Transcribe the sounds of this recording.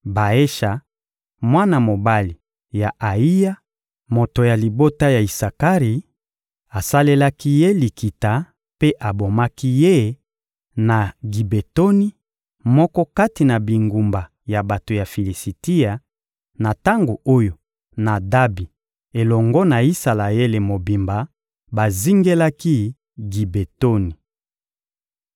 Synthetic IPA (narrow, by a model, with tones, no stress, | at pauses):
ba˨e˦ʃa˨ | mwa˦na˨mo˨ba˦li˨ | ja˨ʔa˨i˦ja˦ | mo˨to˨ja˨li˨bo˦ta˦ja˨i˨sa˨ka˦ʁi˨ | a˨sa˦le˦la˦ki˦je˦li˨ki˨ta˨ | pe˦ʔa˨bo˨ma˦ki˦je˦ | na˨ɡi˨be˨to˦ni˦ | mɔ˦kɔ˦ka˦ti˨na˨bi˨ŋɡu˨mba˨ | ja˨ba˨to˨ja˨fi˨li˨si˨ti˦a˨ | na˨ta˦ŋɡo˨o˦jo˨ | na˨da˦bi˨ | e˨lɔ˨ŋɡɔ˦na˨i˦sa˨la˨je˦le˨mo˨bi˨mba˨ | ba˨zi˦ŋɡe˦la˦ki˦ | ɡi˨be˨to˦ni˨